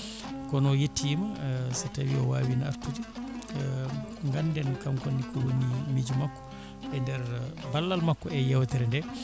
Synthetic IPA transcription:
kɔnɔjetːimasatawiɔwaːwinaa̰ɾtud͡ʒi | ŋɡanːdɛnkamkonːikɔwonimid͡ʒumakːɔ̥ | ɛndɛɾbalːalmakːɔɛjɛwt̪ɛɾɛndɛ

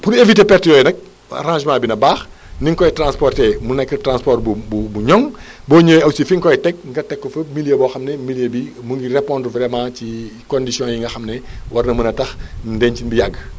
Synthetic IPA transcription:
puɾeviteːpɛrtjɔjɛnɐk̚ | a̰ɾãːʒmãːbinɐbaːx | niŋkɔjtrãnspɔrtɛmunɐkːətrãːspɔrbububuɲɔŋ | bɔːɲoːɐwsifiŋkɔjtɛk̚ŋɡɐtɛkːɔfɐmiljəbɔːxɐmnɛmiljebimuŋɡirɛpɔ̃ːndvɾɛmãːcikɔndisjɔ̃ːjiŋɡɐxɐmnɛwɐrnɐmɐnɐtɐxndɛncinbijaɡː

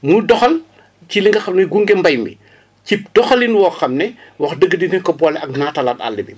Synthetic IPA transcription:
mudɔxɐl | ciliŋɡɐxɐmnɛɡuŋɡɛmbɐjmbḭ | cip̚d̥ɔxɐlinwɔːxɐmnɛwɐxdəɡːədinɛkɔbɔlɛɐk̚natɐlata̰lːibḭ

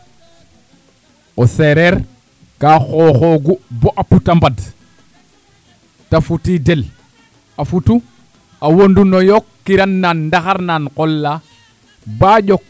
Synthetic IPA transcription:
oseɾeɾ | kaːxoxoɡuboʔaputambad | tafutidel | afutu | awondunojokːiɾanːanːdaxaɾnankolːa | baɟok

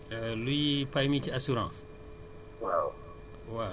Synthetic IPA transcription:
lujipajmit͡ʃiasuɾãːs | waw | wa

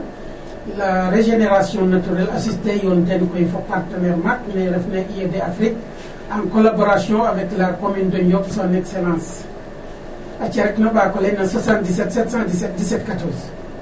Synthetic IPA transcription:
laɾeʒeneɾasjõnatuɾɛlasistejondenkoifopaɾtəneɾmakneɾefneʔiedeafɾik | aŋkolaboɾasiõavɛklakomindoɲɟofsanekselãns | at͡ʃeɾeknobakolenaswasãndisetsetsãndisetdisetkatoɾs

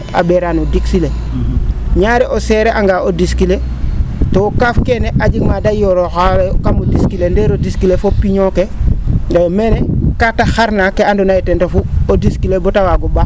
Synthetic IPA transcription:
a̰beɾanodiksile | ɲaɾeʔoseɾeʔaŋɡaodiskile | tookafkeneʔad͡ʒiɡmadajoɾoxalejkamodiskilendeɾodiskilefopiɲokeŋɡajomenekataxaɾnakeandonajotentofuodiskilebotawaɡoba

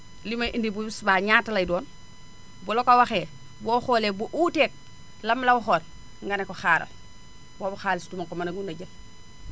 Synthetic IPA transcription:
limajʔindibubisubaːɲaːtalajdoːn | bolokawaxeː | boxoːlebuʔuːteːk̚ | lamːlawuxoːɾ | ŋɡanekoxaːɾɐ̰l | wabuxaːlistumaŋkomanaɡunaɟɐl

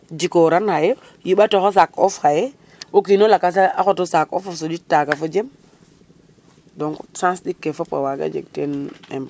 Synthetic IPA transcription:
d͡ʒikoɾanhaje | jiɓatoxos̬akɔfhaje | okinolakas̬aaxotosako̰fasoɗitːakafod͡ʒem | doŋksãnsɗikːefopa̰waɡa̰d͡ʒḛɡ̚tenem

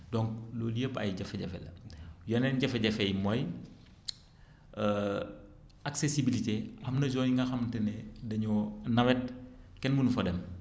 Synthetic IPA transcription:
dɔŋk̚loːlijəpɐ̰jɟɐfɛɟɐfɛlɐ̰jɐnɛnɟɐfɛɟɐfɛjmɔj | aksesibiliteɐmnɐzɔɲŋɡɐxɐmtɛnɛdɐɲɔnɐwɛt̚kɛnmunufɐdɛm

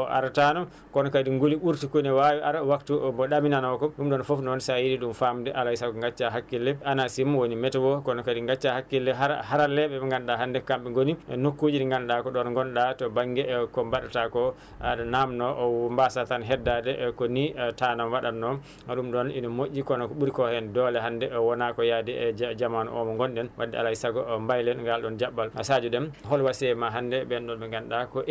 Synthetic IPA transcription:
ɔʔa̰ɾatanɔm | kɔnɔkadiŋɡoliɓuɾtikonɛwawiʔaɾawaktubɔɗaminanɔkɔɗumɗɔnfɔfnɔnsajiɾiɗumfamdɛʔalaisakɔŋɡat͡ʃːaɦakːilːɛanasimwonimɛtɛwɔkɔnɔkadiŋɡat͡ʃːahakːilːɛahaɾalɛɓɛŋɡanɗaɦandɛkamɓɛŋɡonḭnokːod͡ʒinɛŋɡanɗakɔɗɔnŋɡɔnɗatɔbaŋɡɛkɔmbaɗatakɔ | adanamnɔʔmbasatanɦɛdːadɛkɔnitanamwaɗanːɔ | maɗumɗɔninɔmoʔːikɔnɔkɔɓuɾkɔhɛndɔlɛɦandɛwɔnakɔjadɛɛd͡ʒd͡ʒaman̰ʔɔ̰mɔŋɡɔnɗɛnwadːɛa̰laisaɡɔmbajlɛnŋɡalɗɔnd͡ʒabːala̰sad͡ʒuɗɛmɦɔlwasɛmaɦandɛbɛnɗɔnɓɛŋɡanɗakɔʔ

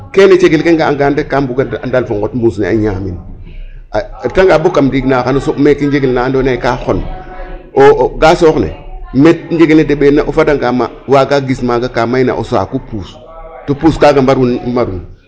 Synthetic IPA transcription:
kenet͡ʃeɡilkeŋɡaaɡandekːambuɡaa̰ndalfoŋɡotmbusnḛa̰ɲamin | ataŋɡabokːamdiɡnaxanosokmekind͡ʒeɡilnandonakaxon | oɡasoknḛmet̚nd͡ʒeɡelnedeɓenaʔofadaŋɡamawaɡaɡismaɡakamaina̰ʔo̰sa̰kupuːs | topuskaɡambaɾunmaɾun

